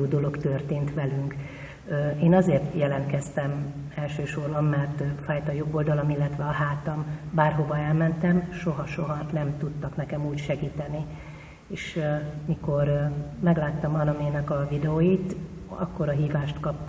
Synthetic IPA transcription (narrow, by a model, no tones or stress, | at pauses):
oːd̪o̞lo̞kt̪ørt̪eːnt̪ʋɛlyŋkː | eːnɒzeːrt̪jɛlɛnt̪kɛst̪ɛmɛlʃøːʃo̞rbɒmːɛrt̪faːjt̪ɒjo̞ɡold̪ɒlo̞milːɛt̪ʋɛɒɦaːt̪ɒmbaːrɦo̞vɒɛlmɛnt̪ɛmʃo̞ɦɒʃo̞ɦɒnɛmt̪ut̪ːɒknɛkɛmuːcʃɛɡiːt̪ɛni | eːʃmiko̞rmɛɡlaːt̪ːɒmɒnɒmeːnɛkɒvid̪ɛoːjit̪ | ɒ̰kːo̞ɾɒɦiːvaːʃt̪kɒp̚t̪